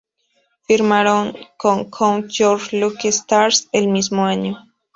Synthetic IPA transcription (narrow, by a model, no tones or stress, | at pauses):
fiɾmaɾoŋkoŋkʰoŋʝoɾʃlukest̪aɾselmizmoaɲo